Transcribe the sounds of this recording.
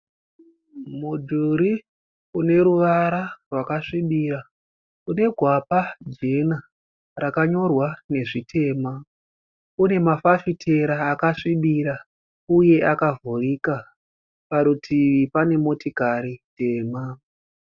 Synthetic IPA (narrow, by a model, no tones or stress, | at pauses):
mud͡ʒuɾi | une̞ɾuʋaɾarwakaʂiɓira | une̞ɡʱwapad͡ʒe̞na | rakaɲo̞rwane̞ʐitʰe̞ːma | une̞mafafitʰe̞ɾaːkaʂiɓiɾa | uje̞ʔakavurika | paɾutʰiʋipane̞mo̞tikaɾiteːma